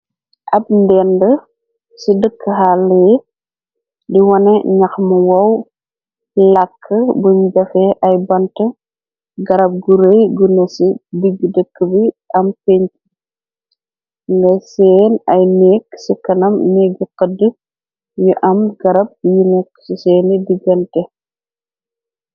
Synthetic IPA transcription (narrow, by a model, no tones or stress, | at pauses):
ʔɐb̚ndɛndə | sidəkːəɦalːɛj | diwɐnɛɲɐxmuwɐw | lɐkʰːəbuɲɟɐfɛʔɐjbɐntə | ɡɐɾɐb̚ɡuɾejɡunɐsidiɡːədəkːəbiɐmpeɲti̥ | ŋɡɐjsɛːnɐjnɛkːsikɐnɐmnɛɡiqədə | juʔɐmɡɐɾɐb̚junɛkːsisɛːnidiɡɐntɛ